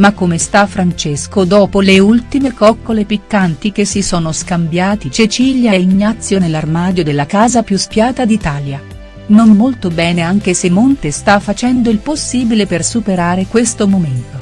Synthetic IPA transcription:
makːomest̪afːɾant͡ʃeskod̪ɔːpoleult̪imekɔkːolepikːant̪ikesːisɔːnoskambjaːt̪it͡ʃet͡ʃiːljaiɲːat̪sːjonelːarmaːd̪jod̪elːakaːzapjuspjaːt̪ad̪it̪aːlja | nomːolt̪obɛːneaŋk̟esemːont̪est̪afːat͡ʃɛnd̪oilposːiːbilepersupeɾaːɾekwest̪omoment̪o

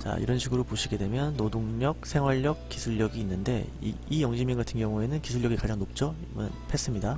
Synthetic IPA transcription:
t͡ɕa̰ḭɾʌnɕʰiɡɯɾopoɕʰiɡe̞dwe̞mjʌnːodoŋɲʌk̚sʰe̞ŋɦwaʎːʌk̚k͈isʰuɭːjʌɡiːnːɯnde̞̰ḭijʌŋɕʰiminɡatʰɯnɡjʌŋue̞nɯnkisʰuʎːjʌɡikad͡ʑaŋnop̚t͡ɕ͈ʌibʌnpʰes͈ɯmɲida

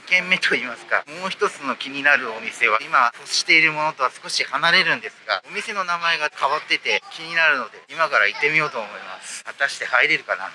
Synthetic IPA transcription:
kẽ̞mːe̞t̪ʰo̞iːmasɨ̥ka̰mo̞ːçi̥t̪o̞t͡sɨno̞kʲiɲ̟inaɾɯ̟o̞mʲise̞β̞aimaɸosi̥t̪e̞iɾɯ̟mo̞no̞t̪o̞βasɨ̥ko̞ɕihanaɾe̞ɾɯ̟̃nd̪e̞sɨ̥ɡa̰o̞mʲise̞no̞namae̞ɡakʰaβat̪ːe̞t̪e̞kʲiɲ̟inaɾɯ̟no̞d̪e̞imakaɾait̪ːe̞mʲijo̞ːt̪oːmo̞imasɨ̥βat̪aɕi̥t̪e̞haiɾe̞ɾɯ̟kana̰

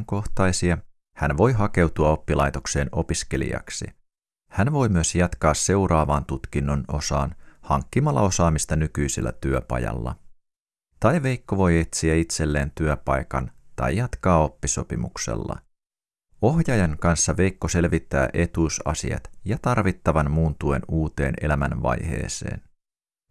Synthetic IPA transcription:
ŋko̞ht̪ɑjsiɑ | hænʋo̞jɦɑke̞wt̪uɑo̞pːilɑjt̪o̞kse̞ːno̞piske̞lḭɑ̰ksḭ | hænʋo̞jmyøsjɑt̪kɑːsːe̞wɾɑːʋɑːnt̪ut̪kinːo̞no̞̰sɑ̰ːnhɑŋkːimɑlːɑ̰o̞sɑːmist̪ɑnykyjselːæ̰t̪yøpɑ̰jɑ̰lːɑ̰ | t̪ɑjʋe̞jkːo̞ʋo̞jet̪siæit̪se̞lːe̞ːnt̪yøpɑjkɑnt̪ɑ̰jjɑt̪kɑːo̞pːiso̞pimuksḛlːɑ̰ | o̞hjɑjɑŋkɑnsːɑʋe̞jkːo̞se̞lʋit̪ːæ̰ːʔe̞t̪uːsɑ̰sḭɑ̰t̪jɑt̪ɑrʋit̪ːɑʋɑnmuːnt̪ue̞nuːt̪e̞̰ːne̞læmænʋɑ̰jhe̞̰ːse̞̰ːn

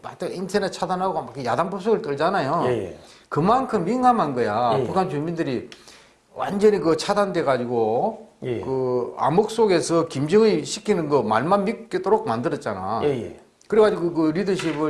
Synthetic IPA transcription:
mat͈ɯintʰenet͡ɕʰadanɦaɡomakɯjadanpɯp̚s͈ʰoɡɯɭt͈ɯɭd͡ʑanajo | kɯmankʰɯmːiŋɡamɦanɡʌjapukʰant͡ɕumindɯɾi | wʔa̰nd͡ʑʌɲikɯt͡ɕʰadande̞ɡad͡ʑiɡo | kɯa̰mɯk̚s͈oɡe̞sʰʌkimd͡ʑɯŋiɭɕʰikʰinɯnɡʌma̰ɭmanmik̚k͈etoɾok̚mandɯɾʌt̚t͡ɕ͈ana̰ | kɯɾeɡad͡ʑiɡokɯɾidɯɕʰibɯ

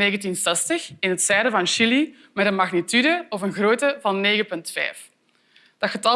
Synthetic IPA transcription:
eːɣəntinsɛstəxɪnɦətsɛːdəvɑnʃili | mɛtənmɑɣnitydəɔfənɣroːtəvɑnːeːɣəpɵntfɛ̰ːf | d̥ɑxətɑ

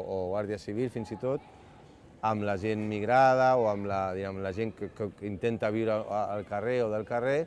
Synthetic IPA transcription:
oɣwaɾðiəsiβ̞ilˠfinzit̪ot̪ | əmlaʒenmiɣɾað̞əoəmlaðiɛmlaʒeŋkəkəint̪ent̪aβ̞iwɾəːlˠkəreoðəlˠkəre

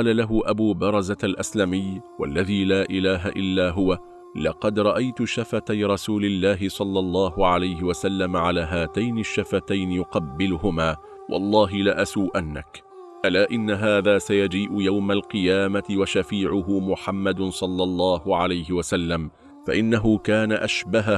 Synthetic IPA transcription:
ɑːlalaɦʊʔabuːbɑɾˤɑzaalʔaslamɪjwa̰lːaðiːlaːʔɪlaːɦaʔɪlːaːɦʊwa | lɑqɑd̪ɾˤɑʔajt̪ʊʃafat̪ajɾˤɑsuːlɪlːaːɦɪsˤɑlːɑlˤːɑːɦʊʕalajhɪwasalːamaʕalaːɦaːt̪ajnɪʃːafat̪ajnɪjʊqɑbːɪlʊɦʊmaː | wʔɑ̰lˤːɑːɦɪlaʔasuːʔanːa̰k | ʔalaːʔɪnːaɦaːðaːsajad͡ʒiːʔʊjawmalqɨjaːmat̪ɪwaʃafiːʕʊɦʊmʊħamːad̪sˤɑlːɑlˤːɑːhʊʕalajɦɪwasalːam | faʔɪnːaɦʊkaːnaʔaʃbaɦa

